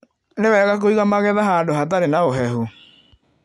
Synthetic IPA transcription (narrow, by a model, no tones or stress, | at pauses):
newɛːɣak̬oiɣamaɣɛðaɦaːndoɦat̬aɾenaoɦɛɦu